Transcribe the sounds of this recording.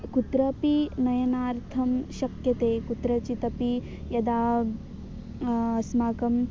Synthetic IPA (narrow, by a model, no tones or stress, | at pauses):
kut̪ɾɐpinɐjɐnaːɾt̪ʰɐmʃɐkjɐt̪eːkut̪ɾɐt͡ʃit̪ɐpi | jɐd̪aː | smaːkɐm